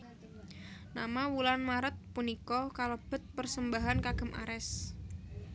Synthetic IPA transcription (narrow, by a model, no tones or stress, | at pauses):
na̰mawulanmaɾət̪̚punikɔkalob̥ə̤t̪̚pərsəmbaɦankaɡ̥ə̤mʔa̰ɾɛs